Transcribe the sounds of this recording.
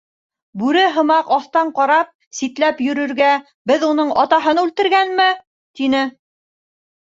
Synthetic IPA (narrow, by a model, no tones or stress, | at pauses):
bʉɾɘɦɤ̆mɑqɑθt̪ɑɴqɑɾɑp̚ | sit̪læpjɵ̆ɾɵ̆ɾɡæ | bɘðun̪ɤɴɑt̪ɑɦɤnʉlt̪ɘ̆ɾɡænmɘ | t̪inɘ